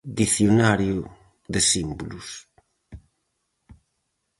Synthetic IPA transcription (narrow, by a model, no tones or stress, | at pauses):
d̪iθjonaɾjʊ | ðɪsimbulus